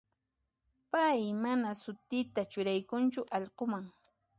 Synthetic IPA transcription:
pajmanasʊt̪ɪt̪at͡ʃʊɾajkʊnt͡ʃʊʔɑʎɢomaŋ

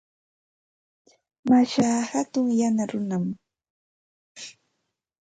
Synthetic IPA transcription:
maʃaːhat̪ʊŋjanaɾʊnam

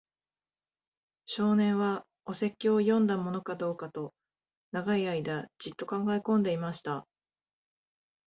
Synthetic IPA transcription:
ɕo̞ːnẽ̞ɰ̃βa | o̞se̞kʲːiojõ̞nd̪amo̞no̞kad̪o̞ːkat̪o̞ | naɡaiaid̪ad͡ʑit̪ːo̞kãŋɡaikõ̞nd̪e̞imaɕi̥t̪a

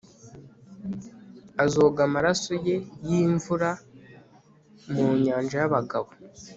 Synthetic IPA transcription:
azo̞ːɡamaɾasoje̞jiːɱvuɾa | muɲaːnʒajaβaɡaβo

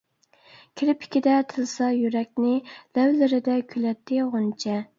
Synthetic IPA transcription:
kʲʰiɾɪpʰɪ̥kʲid̪ɛt̪ʰɨlˠsɑjyɾɛk̚ʲnɪlæwlɪɾɪd̪ɛkʲʰylɛt̪ʰːɪʁont͡ʃʰɛ

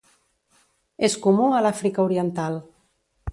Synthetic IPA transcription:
eskumuəlafɾikəuɾiənt̪alˠ

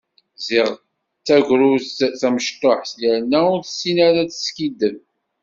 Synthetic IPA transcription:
zɪʁ | t͡sːæʝʷɾuθæməʃt̪oħsjəɾnæʊɾθəsːinæɾæt͡sə̥skid̪ən

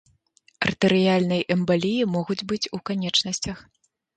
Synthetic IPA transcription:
ɐrt̪ɨɾɨjalʲnɐjʔɛmbalʲijimɔɣud͡zʲbɨt͡sʲukanʲɛt͡ʂnɐsʲt͡sʲɐx

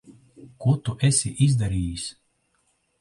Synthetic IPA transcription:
kuɔt̪uʔɛsʲiʔizd̪aɾiːjisʲ

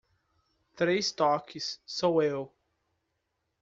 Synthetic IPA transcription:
t̪ɾejst̪ɔkisːɐ̃w̃ew

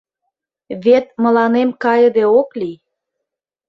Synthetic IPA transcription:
βet̪̚mə̆lɑnemkɑjə̆d̪eokli

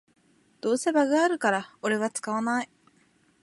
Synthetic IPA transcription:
d̪̥o̞ːse̞baɡaaɾɯ̟kaɾao̞ɾe̞βat͡sɨ̥kaβanai

